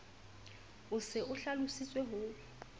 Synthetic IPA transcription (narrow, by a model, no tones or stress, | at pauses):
ʊsɪʊɬalʊsit͡sʼweɦʊːɪ